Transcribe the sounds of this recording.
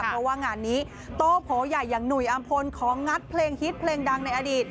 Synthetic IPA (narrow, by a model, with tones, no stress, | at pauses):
ɾɔ˧waː˥˩ŋaː˧nːiː˦˥ | t̪oː˧˩pʰoː˩˦ja˨˩jːaː˨˩ŋnu˨˩jʔa˧mpʰo˧nkʰɔː˩˦ŋːa˦˥t̪̚pʰleː˧ŋhi˦˥t̪̚pʰleː˧ŋda˧ŋna˧jʔa˧diː˨˩t̪̚